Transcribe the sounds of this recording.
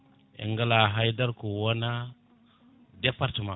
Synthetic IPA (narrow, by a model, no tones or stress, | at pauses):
ḭŋɡalaɦajdaɾkuwana | depaɾtima